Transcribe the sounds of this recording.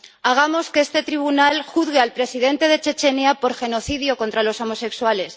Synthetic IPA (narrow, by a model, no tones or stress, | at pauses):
aɣ̞amo̞skest̪e̞t̪ɾiβ̞unalxuðɣealpɾe̞siðe̞nt̪e̞ð̞e̞t͡ʃe̞t͡ʃe̞neapo̞ɾxe̞no̞θiðjo̞kont̪ɾalo̞so̞mo̞se̞kswale̞s